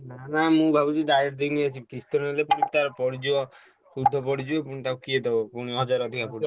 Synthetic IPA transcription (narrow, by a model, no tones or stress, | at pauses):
nanamũbʱabud͡ʒ̪id̪ajiɾd̪iniat͡ʃʰikist̪ɔnelepuɽ̃it̪aɾpɔɽid͡ʒiɔ | kud̪ʱːɔpɔɽid͡ʒiepuɽ̃it̪akukied̪ebɔpuɽ̃iɦɔd͡ʒaɾɔd̪ʱikapu